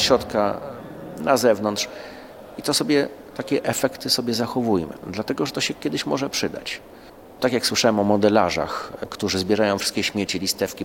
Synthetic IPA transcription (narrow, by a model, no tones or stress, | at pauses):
ɕɾɔt̪ka | nazɛvnɔnt̪ʂ | it̪ɔsɔbʲjɛt̪akʲɛʔɛfɛkt̪ɘsɔbʲjɛzaxɔvujmɘ̰d̪lat̪ɛɡɔʐɛt̪ɔɕɛkʲɛd̪ɘɕmɔʐɛpʂɘd̪a̰t͡ɕ | t̪akʲjakswɘʂawɛmɔmɔd̪ɛla̰ʐa̰xkt̪uʐɘzbʲjɛɾajɔ̃w̃fʂst̪kʲɛɕmʲjet͡ɕilʲist̪ɛfkʲi